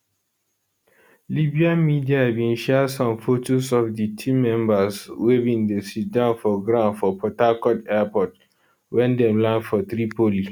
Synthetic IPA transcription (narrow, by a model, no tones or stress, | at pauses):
libiãnmidiahabĩnʃɛdsɔ̃mfotosɔfditʰimɛ̃mbaswebĩndesit̚dãʊ̃nfɔɡɹãnfɔpʰɔtakɔtɛpɔt | wɛ̃ndɛ̃mlãdfɔθɹipoli